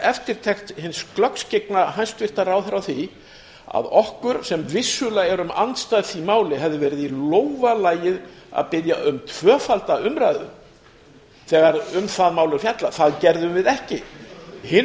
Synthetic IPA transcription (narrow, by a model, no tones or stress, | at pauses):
ɛft̪ɪɾ̥t̪ʰɛxt̪hɪnsklœkscek̚naɦajnst̪vɪr̥t̪araːwθɪɾawθi | a̰ðɔhkʏɾ̥sɛmvɪsːʏlaɣɛɾʏma̰nt̪st̪aːðθimaːwlɪɦɛvðɪvɛːɾɪðiloːwvalaːjɪð | a̰ðpɪðja̰ʔʏmt̪ʰv̥œːfalt̪aʏmɾajðʏ | θɛɣaɾʏmθaðmaːwlʏɾ̥fjat̪laθaðcɛɾðʏvɪðɛhcɪhɪ